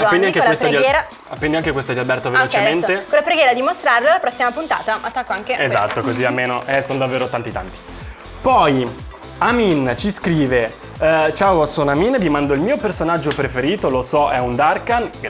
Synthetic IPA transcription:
aɛnd̪iaŋkewespt̪ɡ̪iɛːɾa | apːɛnd̪iaŋkekwest̪od̪ialbɛrt̪ovelot͡ʃement̪ekolːapɾeɡjɛːɾad̪imost̪ɾarlolapɾɔsːimapunt̪a̰ːt̪aat̪ːakːoaŋkeeza̰t̪ːokoziamːeːnoʔɛsonod̪avːeːɾot̪ant̪it̪a̰nt̪i̥ | pɔj | amint͡ʃiskɾiːve | t͡ʃaosonaminvimand̪oilmiːopersonad͡ʒːopɾefeɾiːt̪olosɔʔɛund̪arkan

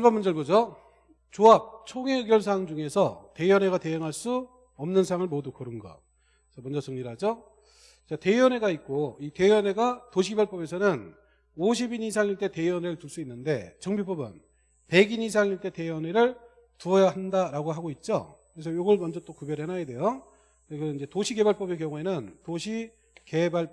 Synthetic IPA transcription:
ɭbamund͡ʑʌɭbod͡ʑo | t͡ɕoap̚t͡ɕʰoŋeɡjʌɭs̬ʰaŋd͡ʑuŋe̞sʰʌte̞ʌne̞ɣate̞jʌŋɦaɭs͈u | ʌmnɯnsʰaŋɯɭmodukʌɾɯnɡʌ̰ | t͡ɕ͈ʌmwʌnd͡ʑʌsʰʌŋɲiɾɦad͡ʑo | t͡ɕate̞ʌne̞ɡait̚k͈oite̞ʌneɡatoɕʰibjʌɭp͈ʌbe̞sʰʌnɯn | oɕ̬ʰibinisʰaŋiɭt͈e̞te̞iʌneɾɯɭtuɭs͈uinːɯnde̞t͡ɕʌŋbip͈ʌbɯ̰n | pe̞ɡinis̬ʰaŋiɭt͈e̞te̞ʌneɾɯɭ | tuʌjaɦandaɾaɡoɦaɡoit̚t͡ɕ͈o̰kɯɾe̞s̬ʰʌjoɡʌɭmʌnd͡ʑʌt͈okubjʌɾɯɭɦenajede̞jo | ekɯind͡ʑe̞toɕʰike̞baɭp͈ʌbek̬jʌŋue̞nɯntoɕʰi | ke̞baɭ

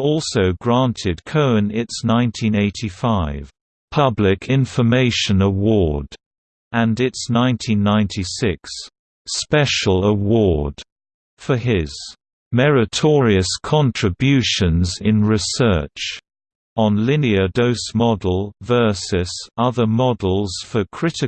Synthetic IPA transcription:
ɔˑlˠsoʊɡɹæ̃ntʰɪd̚kʰoʊə̃nɪtsnãɪ̃ntʰĩneɪtʰifaɪv̥ | pʰʌblɪkʰɪ̃ɱfə˞meɪʃə̃nəwɔɹd | ʔə̃nɪtsnãɪ̃ntʰĩnːãɪ̃ntʰisɪks | pɛʃəl̩ˠəwɔɹd̥ | fəɪz̥ | mɛɹɨtʰɔɹiɨskʰɑ̃ntʰɹ̥ɨbjʉʃə̃nzɪ̃nɹɪsɜ̰ˑ˞t͡ʃ | ə̃nlɪniədəʊsmɑdˡl̩ˠvɜ˞sɨsʌðə˞mɑdˡl̩ˠz̥fəkʰɹ̥ɪɾɨ

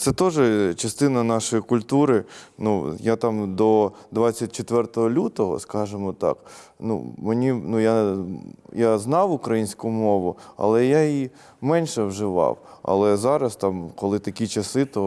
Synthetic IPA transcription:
t̪sɛt̪ɔʒɛt͡ʃɐst̪ɪnɐnɑʃɔjikʊlʲt̪uɾɪnujat̪ɑmd̪ɔd̪ʋɑt͡st͡sʲːɐt̚ʲt͡ʃet̪ʋɛrt̪ɔɦɔlʲut̪ɔɦɔ̰skɑʒemɔt̪ɑ̰knṵmenʲinuja | jaznɑwʊkɾɐjinʲsʲkʊmɔʋʊɐ̰lˠɛjai | mɛnʲʃɛwʒɪʋɑ̰wɐ̰lˠɛzɑɾɐst̪ɑmkɔlˠɪt̪ɐkʲit͡ʃɐsɪt̪ɔ

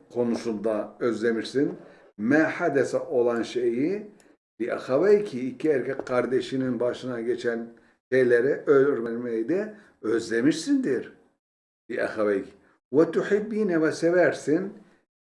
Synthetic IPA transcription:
kʰo̞nusund̪aøzlʲemiɾsin | mɛːħad̪ɛsɛʔo̞lˠanʃeji | b̥iʔa̰xavejcʰiːcʰiɛɾkʲʰɛkʲkʰaɾd̪eʃininbaʃɯnaɟet͡ʃʰæn | ʃejlʲeɾɛʔølʲyɾmɛɾmejid̪ɛ | øzlʲemiʃsind̪iɾ | biʔɛ̰xavejc | wat̪uħibːinɛvɛsevæɾsin

